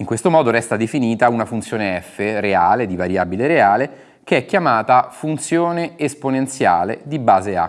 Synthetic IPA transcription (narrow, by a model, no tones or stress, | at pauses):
iŋkwest̪omɔːd̪oɾɛst̪ad̪efiniːt̪aunafunt̪sjoːneɛfːeɾeaːled̪ivaɾjaːbileɾeaːle | keɛkːjamaːt̪afunt̪sjoːneːsponent̪sja̰ːlḛd̪ibaːzea̰